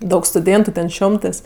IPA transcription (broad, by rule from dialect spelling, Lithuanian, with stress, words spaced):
ˈdɐʊk stʊˈdʲeːntʊ tʲɛn ˈʃʲoːmtɜs